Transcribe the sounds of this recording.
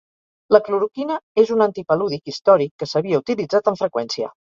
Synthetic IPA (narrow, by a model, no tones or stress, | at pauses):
ləkluɾukinəezunənt̪ipəluðikist̪ɔɾikːəsəβiəut̪ilid͡zat̪əɱfɾəkwɛnsiə̰